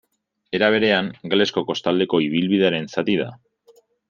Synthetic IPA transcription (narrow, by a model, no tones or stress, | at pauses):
e̞ɾaβ̞e̞ɾe̞aŋɡle̞sko̞ko̞st̪ald̪e̞ko̞iβ̞ilβiðe̞aɾe̞nsat̪iða̰